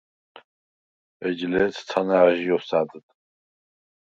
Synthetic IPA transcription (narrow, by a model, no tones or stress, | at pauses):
ɛd͡ʒlɛt͡s̪ʰt͡sʰanaʕʒijɔsaːd̪ɨt̪ʼ